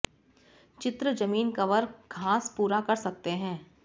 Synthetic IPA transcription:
t͡ʃɪt̪ɾəd͡ʒɐmiːnkɐʋəɾɡʱaːspuːɾakɐɾsɐk̚t̪eɦɛ̃ː

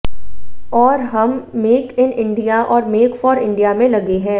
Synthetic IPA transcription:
ɔːɾɦɐmːeːkɪnɪ̃ɳɖijaʔɔːɾmeːkfɔːɾɪ̃ɳɖijamẽlɐɡeɦɛ̃ː

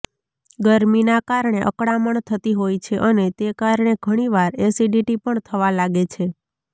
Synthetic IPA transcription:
ɡəɾminakaɾɳeʔə̰kɽaməɳt̪ʰət̪iɦojt͡ʃʰeʔənet̪ekaɾɳeɡʱəɽ̃iʋaɾesiɖiʈipəɳt̪ʰəʋalaɡet͡ʃʰe

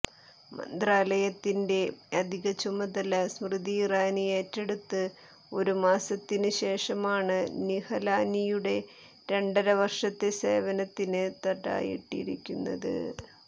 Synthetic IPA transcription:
mɐ̰nd̪raːlɐjɐt̪ːinde̞ɐd̪ʱiɣɐt͡ɕumɐd̪ɐlɐsmrɨðiːraːnie̞ːtːeɽut̪ːɨ | o̞̰ɾumaːsɐt̪ːinɨɕe̞ːʂɐmaːɳɨnihɐlaːnijuɽe̞ | ɾe̞ɳɖɐɾɐʋɐrʂɐt̪ːe̞se̞̰ːʋɐnɐt̪ːinɨt̪ɐʈːa̰ːjḭʈːḭɾikʲːunːɐ̰ðɨ̰

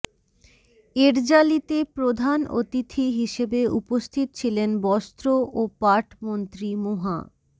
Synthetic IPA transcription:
eɾd͡ʑalit̪epɾod̪ʱano̰t̪it̪ʰiɦiʃebeupost̪ʰit̪ot͡ɕʰilenbɔst̪ɾoʔopaɾʈʰmont̪ɾimoɦa̰

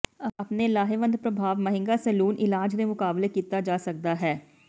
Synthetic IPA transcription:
apnelaːɦeʋə̃nd̪pɾəbʱaːʋməɦɪ̃ŋɡasəluːnʔɪlaːd͡ʒɾemʊkaːblekiːt̪ad͡ʒaːsɐk̚d̪aɦɛː

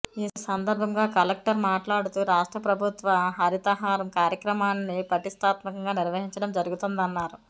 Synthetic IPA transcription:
iːsɐnd̪ɐɾbʱɐŋɡaːkɐlɐk̚ʈɐɾmaːʈlaːɽut̪uɾaːʂʈɾɐpɾɐbʱut̪ʋɐɦɐɾit̪ɐɦaːɾɐmkaːɾjɐkɾɐmaːnːipɾɐt̪ist̪ʰaːt̪mɐkɐŋɡaːniɾʋɐɦiɲt͡ʃɐɽɐmd͡ʒɐɾuɡut̪und̪ɐnːaːɾu

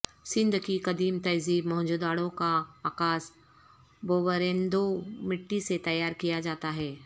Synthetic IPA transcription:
sɪ̃nd̪ʱkikɐd̪iːmt̪ɐd͡ʒziːmɔɦd͡ʒud̪aːɽõkaaːkaːs | boːʋəɾẽːnd̪omɪʈːiset̪ɐjaːɾkijad͡ʒaːt̪aɦɛː

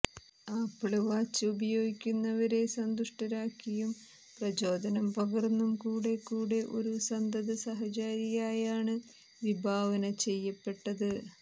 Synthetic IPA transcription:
aːpːɐɭɐʋaːt͡ɕːɐubɐjo̞ːɡikʲːunːɐʋɐɾe̞sɐnd̪uʂʈɐɾaːkːijum | prɐd͡ʑo̞ːd̪ɐnɐmpɐɡɐrnːumkuːɽe̞kːuːɽe̞ʔo̞ɾusɐnd̪ɐðɨsɐɦɐt͡ɕaːɾiɣaːjaːɳɨ | ʋibʱaːʋɐnɐt͡ɕe̞jːɐpːe̞ʈːɐðɨ

